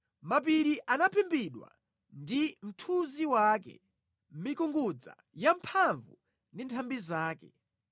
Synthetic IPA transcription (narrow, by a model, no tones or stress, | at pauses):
map̬iɾiʔanapʰimbiɗwa̰ | ndim̩tʰuziwakɛ̰ | m̩mikuŋɡud͡za̰ | jampʰaɱvu | ndintʰambizaːkɛ̰